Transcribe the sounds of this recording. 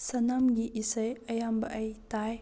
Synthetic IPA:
sɐnɐmɡiʔisəjɐjambɐʔɐjtaj

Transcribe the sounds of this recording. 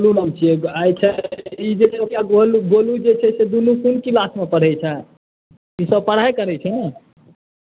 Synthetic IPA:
olunəmt͡ʃʰieajt͡ʃʰɛid͡ʒet͡ʃʰɛokaoluɡolud͡ʒet͡ʃʰɛsed̪unukunkilasmepəɽ̤ɛt͡ʃʰɛ | isəb̚pəɽ̤ajkəɾɛt͡ʃʰɛ

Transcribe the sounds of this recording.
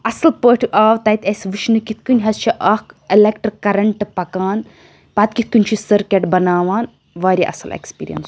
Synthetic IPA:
ɐsɐlpəːʈʰɨʔaːʋt̪ɐit̪ʲɐsʲʋɨt͡ʃʰnɨkit̪ʰkunʲɦɐst͡ʃʰɐʔɐkilekʈɐɾkɐɾɐɳʈɨpɐkaːn | pɐːt̪kit̪̚ʰkunʲt͡ʃʰisɐɾkʲeʈbɐnaːʋaːn | ʋaːɾʲiʔɐ̰sɐlḛkspḭːɾḭjɐ̰ns

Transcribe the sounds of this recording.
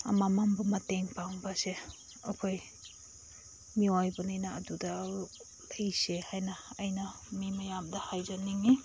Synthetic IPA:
a̰mamambumɐteŋpawbɐse | ɐkʰoj | miojbɐnajnɐːdudɐ | lɐjsehajnɐːjnɐ | mimɐjamdɐhajzɐniŋi

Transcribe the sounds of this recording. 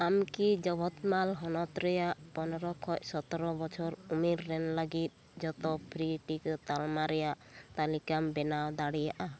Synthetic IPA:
amkid͡ʒɔbʱɔt̪malɦɔnɔt̪ɾɛjaʔpɔnɔɾɔkʰɔc̚sɔt̪ɔɾɔbɔt͡ʃʰɔɾumiɾːɛnləɡit̪̚ | d͡ʒɔt̪ɔpʰɾiʈikɔt̪almaɾɛjaʔt̪alikambɛnawd̪aɽijaʔa

